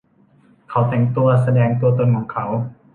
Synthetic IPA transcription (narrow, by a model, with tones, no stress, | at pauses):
kʰa˨˦wt̪ɛ˨˩ŋt̪u˧ɐsa˧dɛː˧ŋt̪u˧ɐt̪o˧˨nkʰɔː˩˦ŋkʰa˧˦˥w